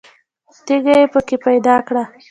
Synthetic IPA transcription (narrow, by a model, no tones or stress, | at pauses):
t̪eɡajepəkepajd̪ɑkɽa